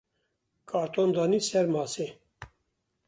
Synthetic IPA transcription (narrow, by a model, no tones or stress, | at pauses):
kʰɑːɾt̪ʰond̪ɑːniːsɛɾmɑːse